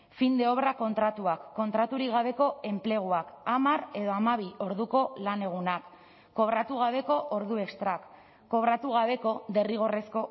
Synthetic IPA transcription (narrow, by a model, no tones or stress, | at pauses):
find̪e̞o̞βɾako̞nt̪ɾat̪uakːo̞nt̪ɾat̪uɾikɣaβe̞ko̞e̞mple̞ɣ̞uakamare̞ðo̞amaβio̞ɾðuko̞lane̞ɣ̞unakː | o̞β̞ɾat̪uɣ̞aβe̞ko̞ʔoɾðue̞kst̪ɾakː | o̞βɾat̪uɣ̞aβ̞e̞ko̞d̪e̞riɣ̞o̞re̞sko̞